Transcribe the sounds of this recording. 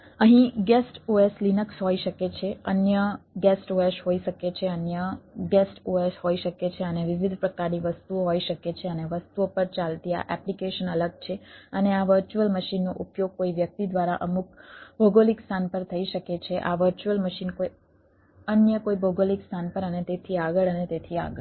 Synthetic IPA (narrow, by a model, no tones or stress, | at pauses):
əɦĩɡɛsʈoeslinəksɦoiʃəket͡ʃʰeənjəɡɛsʈoeʃɦoiʃəket͡ʃʰeənjəɡɛsʈoesɦoiʃəket͡ʃʰeəneʋiʋid̪ʱpɾəkaɾniʋəst̪uoɦoiʃəket͡ʃʰeəneʋəst̪uopəɾt͡ʃalt̪ia̰ʔɛplikeʃənələɡ̚t͡ʃʰeəneaʋəɾt͡ʃuəlməʃinːoʔupjoɡ̚koiʋjək̚t̪id̪ʋaɾaʔəmuk̚bʱoɡolikst̪ʰanpəɾt̪ʰəiʃəket͡ʃʰeʔa̰ʋəɾt͡ʃuəlməʃinkoi | ənjəkoiboɡolikst̪ʰanpəɾənet̪et̪ʰiaɡəɭənet̪et̪ʰia̰ɡə